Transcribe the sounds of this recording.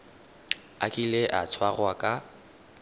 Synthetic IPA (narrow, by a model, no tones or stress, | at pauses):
akʼileʔat͡sʰwaɣwakʼa